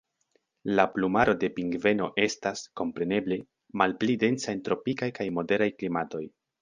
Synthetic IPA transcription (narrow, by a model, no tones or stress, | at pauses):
laplumaɾo̞de̞piŋɡve̞no̞ʔe̞stasko̞mpɾe̞ne̞ble̞ | malplide̞nsaentɾo̞pikajkajmo̞de̞ɾajklimato̞j